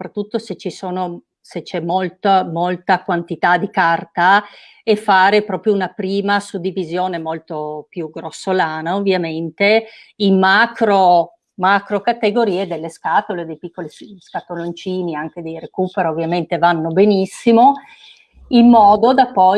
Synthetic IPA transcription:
sopɾat̪ːut̪ːoset͡ʃːisoːno | set͡ʃːɛmːolt̪amolt̪akwant̪it̪ad̪ikart̪a | efaːɾepɾɔːpɾjounapɾiːmasud̪ːivizjoːnemolt̪opjuɡɾosːolaːnaovːjament̪e | immːakɾo | makɾokat̪eɡoɾiːed̪elːeskat̪oled̪ejpikːoliskat̪olont͡ʃiːniaŋk̟ed̪ejrekuːpeɾovːjament̪evanːobenisːimo | imːɔːd̪od̪apːɔ

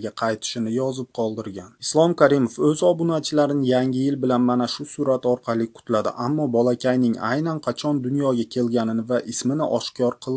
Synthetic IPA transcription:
ɡʲaqʰɑjt̪ʰɪ̥ʃɪnɪjɒzɪp̚qʰɒlˠd̪ɪɾɡʲanɪslˠɒmkʲʰaɾimo̞fɵzɒbunat͡ʃʰɪlaɾɪnɪjaŋʲɪjɪlbɪlanmanaʃʊsʊɾat̪ɒɾqʰɑlˠɪkʰʊ̥t̪lad̪ɪ̰ʔamːɒbɒlˠakʲʰajnɪŋa̰jnanqʰɑt͡ʃʰɒnd̪ʊnjɒɡʲakʲʰe̞lɡʲanɪnɪvaʔɪsmɪnɪʔɒʃkʰɒɾqʰɨlˠ

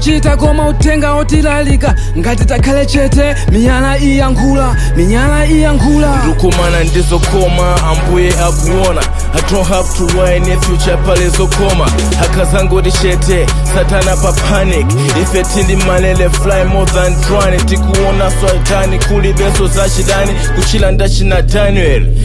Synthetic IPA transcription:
t͡ʃitakɔmautɛŋɡaɔtilalika | ŋɡat̬itakʰalɛt͡ʃɛtɛ | miɲalaijaŋkʰuːla | miɲalaijaŋkʰuːlatukɔmanandizɔkʰɔmaːmbujɛʔakuwɔna | adɔ̃nɦavtuwajnɛfjut͡ʃapalɛsɔkʰɔma | akʰazaŋɡɔɗit͡ʃɛtʰɛ | satanapapʰanik | difɛtʰindimalɛlɛflajmɔd̪antwanɛntikuwɔnasatanikʰuliɓɛsɔzat͡ʃiɗani | kut͡ʃʰilandat͡ʃʰinadanɛl

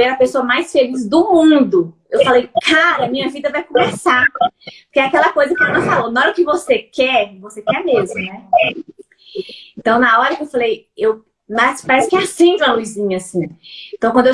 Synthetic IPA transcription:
ɛɾɐpesoɐmajsfelizd̪ʊmũd̪ʊ | ewfalejkʰaɾɐmĩɲɐvid̪ɐvajkõmesapo̥keakɛlɐkojzɐkɪãnɐfalonɔɛɾʊkɪvosekɛɾvosekɛɾmezmʊnɛ | ẽt̪ɐ̃w̃nɐɔɾɐkɪewfalejew | maspaɾɛsʊ̥kɪasẽd͡ʒ̪ũmɐlujzĩɲɐasĩẽt̪ɐ̃w̃kwɐ̃d̪e

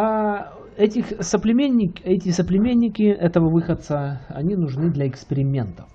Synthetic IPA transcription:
a | ɛtʲɪxsəplʲɪmʲenʲːɪkʲɛtʲɪsəplʲɪmʲenʲːɪkʲɪʔɛt̪əvəvɨxət̪səɐ̰nʲinʊʐnɨd̪lʲɐɪkspʲɪɾʲɪmʲe̞nt̪ə

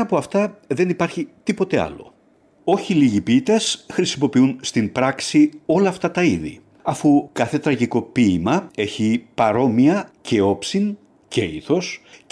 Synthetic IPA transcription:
ɐpo̞ɐft̪ɐðe̞nipɐɾçit̪ipo̞t̪e̞ɐ̰lo̞̰ | o̞çiliʝipit̪esxɾisimo̞piunst̪impɾɐksio̞lɐːft̪ɐt̪ɐiðḭ | ɐfukɐθe̞t̪ɾɐʝiko̞piːmɐe̞çipɐɾo̞miɐcʰe̞o̞psin | ce̞ḭθo̞s

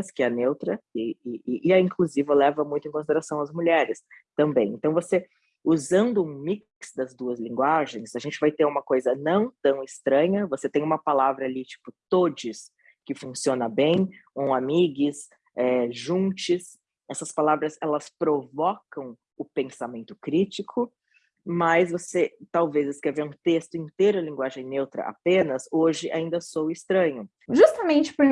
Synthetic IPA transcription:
skɪɛnewt̪ɾɐɪɪɪʔɪaĩŋkluzivɐlɛvɐmũj̃t̪ʊẽkõsid̪eɾasɐ̃w̃ɐzmuʎɛɾɪst̪ɐ̃mbẽj̃ẽnt̪ɐ̃w̃vose | uzɐ̃nd̪ʊũmik | sd̪ɐzd̪uɐzlĩŋɡwaʒẽj̃saɐʒẽnt͡ʃɪvajt̪eɾũmɐkojzɐnɐ̃w̃t̪ɐ̃w̃ɪst̪ɾɐ̃ɲɐvoset̪ẽj̃ũmɐpalavɾɐalit͡ʃi̥pʊt̪od͡ʒɪs | kɪfũsiõnɐbẽj̃kõamiɡɪs | ɛʒũnt͡ʃɪs | ɛsɐspalavɾɐzɛlɐspɾovɔkɐ̃w̃ | ʊpẽsamẽnt̪ʊkɾit͡ʃikʰʊ | mɐsvoset̪awvezɪskeɾveɾũt̪est̪ʊĩt̪eɾʊɐlĩɡwaʒẽj̃newt̪ɾɐ̰ʔa̰pẽnɐsoʒɪʔa̰ĩnd̪ɐsowɪst̪ɾɐ̃ɲʊ | ʒust̪ɐmẽnt͡ʃɪ̥pʊɾ

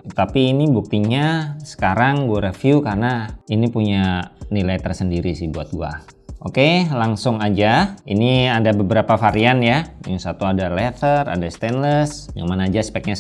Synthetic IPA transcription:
t̪apiːnibuk̚t̪iɲasə̥kaɾaŋɡuaɾəfjukarnainipuɲanilajt̪ərsəndiɾisɪhbuat̪̚ɡua̰ | ʔokelaŋsʊŋad͡ʒaḭniadabəbəɾapafaɾianjajaŋsat̪uadalɛt̪ʰəra̰dast̪ɛnləsja̰ŋmanaːd͡ʒaspɛk̚ɲa

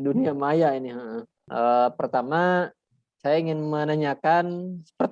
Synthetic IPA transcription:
duniamajainɪɦəʔə | ʔəpərt̪ama | sajaiŋɪnmənaɲakansə̥pərt̪

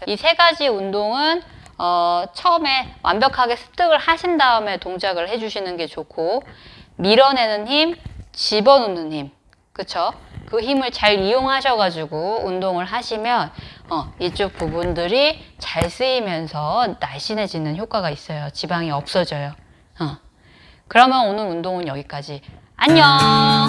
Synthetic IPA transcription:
isʰe̞ɡad͡ʑiundoŋɯn | ʌt͡ɕʰʌɯme̞wʔa̰nbjʌkʰaɡe̞sʰɯ̥p̚t͈ʰɯɡɯɭhaɕʰindaɯme̞toŋd͡ʑaɡɯɭhe̞d͡ʑuɕʰinɯnɡe̞t͡ɕokʰo | miɾʌne̞nɯnçimt͡ɕibʌnunːɯnɦim | kɯt͡ɕʰokɯçimɯɭt͡ɕaɾijoŋɦaɕʰʌɡad͡ʑuɡoundoŋɯɭɦaɕʰimjʌnʌit͡ɕ͈ok̚pubundɯɾit͡ɕaɭs͈ɯimjʌnsʰʌnaɕ͈ʰine̞d͡ʑinɯnçjok͈waɡais͈ʌjot͡ɕibaŋiʌp̚s͈ʌd͡ʑʌjo | ʌ | kɯɾʌmjʌnonɯɾundoŋɯnjʌɡik͈ad͡ʑi | aɲʌ

